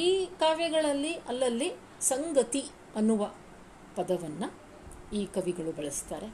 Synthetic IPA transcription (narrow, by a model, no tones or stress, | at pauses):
iːkaːʋjɛɡɐɭɐlːiʔɐlːɐlːi | sɐŋɡɐt̪i | ɐnːuʋɐ | pɐd̪ɐʋɐnːɐ | iːkɐʋiɡɐɭubɐɭɐst̪aːɾe̞